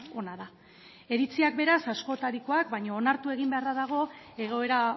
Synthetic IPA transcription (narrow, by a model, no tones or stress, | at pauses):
o̞naða | e̞ɾit͡siakbe̞ɾasasko̞t̪aɾiko̞akbaɲoːnaɾt̪ue̞ɣ̞imbe̞araðaɣ̞o̞e̞ɣ̞o̞e̞ɾa